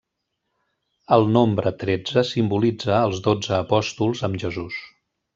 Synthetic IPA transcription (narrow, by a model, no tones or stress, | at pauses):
əlˠnombɾət̪ɾed͡zəsimbulid͡zəːlˠzðod͡zəːpɔst̪ulˠzəmʒəzus